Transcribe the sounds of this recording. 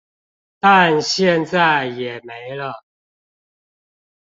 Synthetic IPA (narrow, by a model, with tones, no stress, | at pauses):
t̪a˥˨nɕjɛ˥˨nt͡sa˥˩ɪjɛ˨˩me˧˦ɪlə˧